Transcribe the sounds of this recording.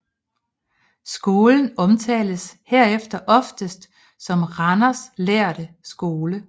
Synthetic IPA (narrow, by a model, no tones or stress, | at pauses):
sɡ̥o̝ːln̩ɒ̽mt͡sʰɛ̰ːləsheɐ̰efd̥ɐʔɒ̽fd̥əsd̥ | sɒ̽mʁɑnɐsleɐ̰ɾ̥ə | sɡ̥o̝ːlə